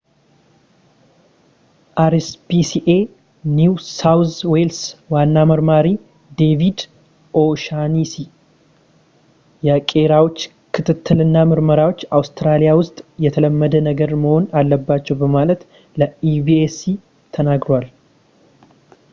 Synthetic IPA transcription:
ʔaɾsbisiʔe̞ | nuwsawswelswanːaməɾmaɾi | d̪e̞vid̪ | ʔoʃanisi | jɛkʼe̞ɾawo̞t͡ʃː | kʰɨt̪ʰɨt̪ʰːɨlɨnːamɨɾməɾawo̞t͡ʃːawst̪ɾalijawʊst̪ʼjɛt̪ʰələmːəd̪ənəɡəɾməho̞nalːəbːat͡ʃːɛwbəmalət̪ | ləibiesi | t̪ʰənaɡɾowal

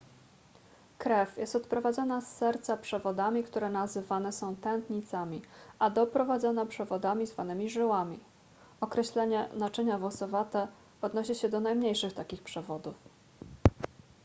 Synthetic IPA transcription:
kɾɛfjɛst̪ɔt̪pɾɔvad̪zɔnasːɛɾt̪sapʂɛvɔd̪amʲikt̪uɾɛnazɘvanɛsɔ̃w̃t̪ɛnt̪ɲit̪samʲiad̪ɔpɾɔvad̪zɔnapʂɛvɔd̪amʲizvanɘmʲiʐɘwamʲi | ɔkɾɛɕlɛɲɛnat͡ʂɘɲavwɔsɔvat̪ɛ | ɔd̪nɔɕiɕɛd̪ɔnajmɲejʂɘxt̪akʲixpʂɛvɔd̪uf

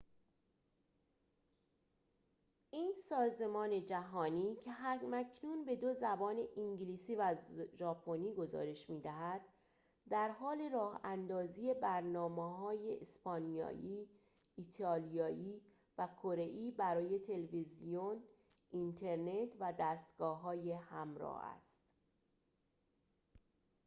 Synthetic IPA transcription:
ʔiːnsɒːze̞mɒːne̞d͡ʒæɦɒːniːcʰe̞ɦæmæcʰnuːnbe̞d̪ozæbɒːne̞ʔiŋɟiliːsiːvæzʒɒːpʰo̞niːɡo̞zɒ̰ːɾe̞ʃmiːd̪æɦæd̪̥ | d̪æɾɦɒːle̞ɾɒːhænd̪ɒːzije̞bæɾnɒːmeɦɒːje̞ʔespɒːnijɒ̰ːjʔiː | iːt̪ʰɒːlijɒːʔiː | vækʰoɾe̞ʔiːbæɾɒːje̞t̪ʰe̞levizijon | ʔint̪ʰe̞ɾne̞t̪ʰvæd̪æːst̪ɡ̥ɒːɦɒːje̞hæmɾɒ̰ːhæ̰st̪

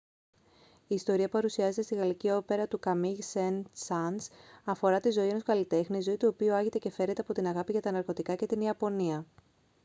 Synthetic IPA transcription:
iːst̪o̞ɾiɐpɐɾusiɐze̞t̪e̞st̪iɣɐlicio̞pe̞ɾɐt̪ukɐmisensɐnsɐfo̞ɾɐt̪izo̞ie̞no̞skɐlit̪e̞xniizo̞it̪uo̞piuɐʝet̪e̞ce̞fe̞ɾnet̪e̞ɐpo̞t̪inɐɣɐpiʝɐt̪ɐnɐɾko̞t̪ikɐce̞t̪iniɐpo̞niɐ

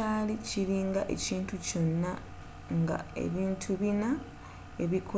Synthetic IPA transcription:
aːliciɾiːŋɡaʔe̞̰ciːntuco̞nːa | ŋɡa̰e̞̰βiːntʰuβina | e̞βikʰo

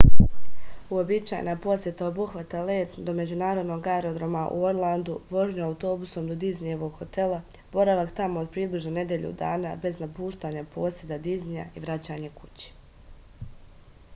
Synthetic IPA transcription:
uobit͡ʃa̰ːj̰napo̞sje̞t̪aobuxʋat̪aleːt̪d̪o̞me̞d͡ʑunaːɾo̞d̪no̞ɡaeɾo̞d̪ɾomaʔṵoɾlˠand̪uʋo̞ʒɲuawt̪o̞ːbuso̞md̪od̪iznijeʋo̞ɡ̥ho̞t̪e̞lˠa | b̥o̞ɾaʋakt̪amo̞od̪̚pɾiːbliʒnone̞d̪je̞ʎṵd̪aːna̰be̞znapuːʃt̪aːɲapo̞ːsjed̪ad̪iznija̰iʋɾat͡ɕaːɲe̞ku̥t͡ɕe̥

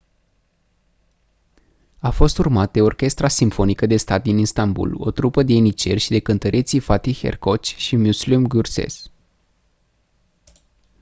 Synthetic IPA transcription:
afo̞st̪urmat̪̚d̪e̞o̞rkʲe̞st̪ɾasimfo̞nikəd̪e̞st̪at̪̚d̪inist̪ambṵlo̞̰t̪ɾupəd̪e̞enit͡ʃe̞rʲʃid̪e̞kɨnt̪əɾʔe̞t̪sifat̪ixḛrko̞t͡ʃʃimuslumɡursḛs

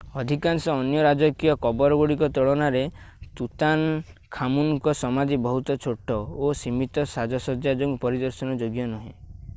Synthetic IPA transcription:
ɔd̪ʱikansɔːnjɔɾad͡ʒɔkijɔkɔbɔɾɔɡoɽikɔt̪ɔɭɔnaɾe | t̪ut̪ankʰamuŋkɔsɔmad͡ʒ̪ibɔɦut̪ɔt͡ʃʰoʈɔosimit̪ɔsad͡ʒɔsɔd͡ʒjad͡ʒoŋɡpɔɾid̪ɔɾsɔnɔd͡ʒoɡjɔnɔɦḛ̃

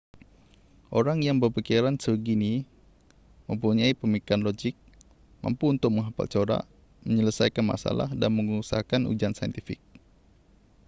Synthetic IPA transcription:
ʔoɾaŋjaŋbərpikiɾansəɡini | məmpuɲaipəmikanlod͡ʒɪk̚ | ma̰mpuunt̪ʊk̚məŋɦapa̰lt͡ʃoɾa̰ | məɲələsajkanma̰sa̰la̰hdanməŋusaɦakanʔṵd͡ʒansaj̰nt̪ifɪk̚

